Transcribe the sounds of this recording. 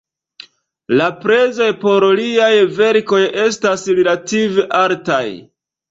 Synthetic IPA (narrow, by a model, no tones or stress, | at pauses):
lapɾe̞zo̞jpo̞ɾliajve̞ɾko̞je̞stasɾelativeʔaɾtaj